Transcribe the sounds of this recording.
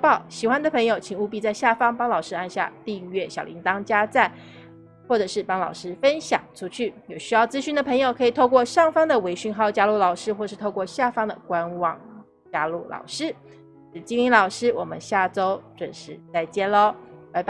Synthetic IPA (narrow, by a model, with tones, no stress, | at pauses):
pɑ˥˩ʊɕi˨˩xwa˥nd̪ə˨pʰɤ˧˥ŋjo˧˩ʊt͡ɕʰi˨˩ŋu˥˧pi˥˧t͡sa˥˧ɪɕja˥˩fɑ˥ŋpɑ˥ŋlɑ˨˩ʊʂɻ̩˥a˥˧nɕja̰˥˧t̪i˥˧ŋɥɛ˥˩ɕjɑ˨˩lḭ˧˥ŋt̪ɑ˥ŋt͡ɕja˥t͡sa˥˩n | xwɔ˥˩ʈ͡ʂɤ˨˩ʂɻ̩˥˩pɑ˥ŋlɑ̰˨˩ʊʂɻ̩˥fə˥nɕjɑ̰˨˩ŋʈ͡ʂʰu˥t͡ɕʰy˥˩jo˨˩ʊɕy˥jɑ˥˩ʊt͡sɹ̩˥ɕy˥˩nd̪ə˩pʰɤ˧˥ŋjo˨˩ʊkʰɤ˧˥i˨˩t̪ʰo˥˧kwɔ˥˧ʂɑ˥˩ŋfɑ˥ŋd̪ə˨we˧˥ɪɕy˥˧nxɑ˥˧ʊt͡ɕja˥lu˥˩lɑ˨˩ʊʂɻ̩˥xwɔ˥˩˧ʂɻ̩˥˧t̪ʰo˥˧ʊkwɔ˥˧ɕja˥˩fɑ˥ŋd̪ə̰˨kwa˥nwɑ˥˨˩ŋ | t͡ɕja˥lu˥˩lʔɑ̰˨˩ʊʂɻ̩˥ | ʈ͡ʂɻ̩˥˧˩t͡ɕi˥ŋli˧˥lɑ˨˩ʊʂɻ̩˥wɔ˨˩mə̰˦nɕja˥˩ʈ͡ʂo˥ʊʈ͡ʂwə̰˨˩nʂɻ̩˧˥t͡sa˥˩ɪt͡ɕjɛ˥˩lo˥ʊ˧˥ɪp